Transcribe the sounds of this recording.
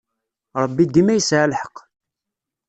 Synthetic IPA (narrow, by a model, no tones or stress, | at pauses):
ɾˤəbːid̪imæjəsʕalħə̥q